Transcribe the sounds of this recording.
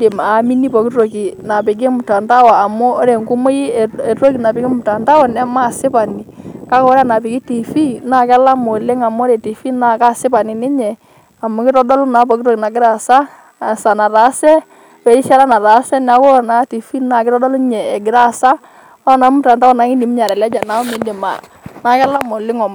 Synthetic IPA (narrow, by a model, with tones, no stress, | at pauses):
de˨maː˨mi˦ni˦pɔ˨kɪ˦ɾo˨ki˨na˨pɪ˨k̬ɪ˦mʊ˨ta˨nda˦wa˨a˨mʊ˦ɾɛ˨ŋɡu˦mo˦ji˦ɛ˨tɾo˦ki˨na˨pɪ˨kɪ˦mʊ˨ta˨nda˦wɔ˨nɛ˦ma˦˨sɪ˦pa˨ni˨ka˦kɔ˦ɾa˦na˨pɪ˨kɪ˦ti˨fi˦na˨ka˦la˦mo˨le˦ŋa˨mɔ˦ɾɛ˨ti˨fi˦na˨ka˦sɪ˦pa˨nɪ˨nɪ˦ɲɛ˨ | a˨mʊ˨kɪ˦tɔ˦dɔ˦lʊ˦na˨˦pɔ˨kɪ˦ɾo˦ki˨na˨ɡɪ˦ɾa˨sa˦˨ | sa˨na˨ɾa˨˦sɛ˦ | wɛ˨ɾi˦ʃa˦ɾa˦na˨ɾa˨˦sɛ˦na˨kɔ˦˨na˨˦ti˨fi˦na˨kɪ˦ɾɔ˦dɔ˦lʊ˦ɲɛː˨ɡɪ˨ɾa˦˨sa˦ | ɔ˦na˨˦mʊ˦˨ta˨nda˦ɔ˨na˨˦ŋɪ˦ni˨˦m˦ɲa˨ɾɛ˨lɛ˦d͡ʒa˨na˨˦mɪ˨˦ndɪ˨ma̰˨ | na˨˦kɛ˦la˦mo˨lɪ˦ŋɔ˨m